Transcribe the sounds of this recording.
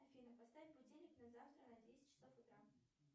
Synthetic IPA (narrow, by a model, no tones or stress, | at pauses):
ɐfʲinəpɐst̪avʲɪt̪̚ʲpʊtʲelʲɪknɐzaft̪ɾənɐd̪vʲesʲtʲɪ̥t͡ɕːɪ̥sofʊt̪ɾa